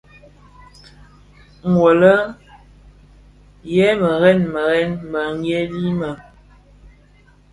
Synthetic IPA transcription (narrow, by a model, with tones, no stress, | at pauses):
ŋ˨wo˨lə˦ | jɛ˦mə˨ɣɛ˦nmə˨ɣɛ˦nmə˨ŋɛ˦li˦mə˨